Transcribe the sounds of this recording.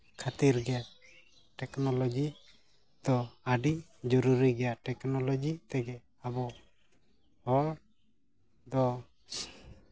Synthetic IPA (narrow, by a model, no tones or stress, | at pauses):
kʰat̪iɾɡɛa | ʈɛknɔlɔd͡ʒi | d̪ɔaɖid͡ʒɔɾuɾiɡɛjaʈɛknɔlɔd͡ʒit̪ɛɡɛ | abɔ | hɔɾ | d̪ɔ